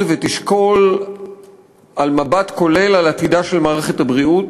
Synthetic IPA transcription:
vet̪iʃko̞l | almabat̪ko̞le̞lalat̪id̪aʃe̞lmaːʁeχet̪habʁiut

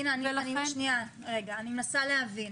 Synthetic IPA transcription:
inanianiʃnia | ʁe̞ɡaːnimenasaleɦavin

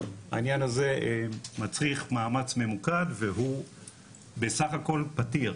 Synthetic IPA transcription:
ha̰injanaze̞mat͡sʁiχmaːmat͡sme̞mukadveɦu | besaχako̞lpatiʁ

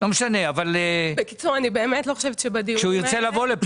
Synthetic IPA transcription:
lomeʃane̞avalebekit͡suʁanibeːmetlo̞χoʃevetʃebadikʃeuiʁt͡se̞lavo̞lep

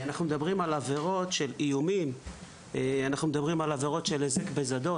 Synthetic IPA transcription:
anaχnumed̪abʁimalaveʁo̞tʃe̞lijumim | eanaχnumed̪abʁimalave̞ʁo̞tʃe̞lezekbe̞zad̪o̞

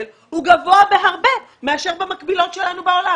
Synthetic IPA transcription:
l | huɡavo̞abe̞ɦaʁbe̞ | me̞aʃeʁbemakbilo̞tʃelanubeo̞la

